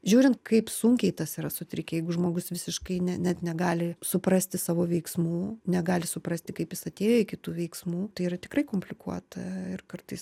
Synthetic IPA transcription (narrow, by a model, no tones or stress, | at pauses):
ʒʲuːɾʲɪnt̪̚kɐɪpssʊŋʲkʲɛɪt̪ɐsiːɾɐsʊt̪ʲɾʲɪkʲɛjɛɪɡʊʒmoːɡʊsʋʲɪsʲɪʃkɐɪnʲɛnʲɛt̪nʲɛɡɑːlʲɪsʊpɾɐsʲt̪ʲɪsɑːʋoːʋʲɛɪksmuːnʲɛɡɑːlʲɪsʊpɾɐsʲt̪ʲɪkɐɪpjɪsɐt̪ʲeːjoɪkʲɪt̪uːʋʲɛɪksmuːt̪ɐɪirɐt̪ʲɪkɾɐɪkoːmʲpʲlʲɪkuɔt̪ɐɪrkɐrt̪ɐɪs